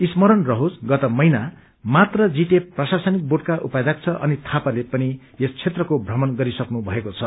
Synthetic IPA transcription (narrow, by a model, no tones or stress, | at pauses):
ismʌɾʌnrʌɦod͡zɡʌt̪ʌmʌjna | mat̪rʌd͡ziʈeprʌsasʌnik̚boʈ̚kaʔupad͡zak̚t͡sʰʌʔʌ̰nit̪ʰapalepʌni | est͡sʰet̪rʌkobʱrʌmʌnɡʌɾisʌknubʱʌekot͡sʰʌ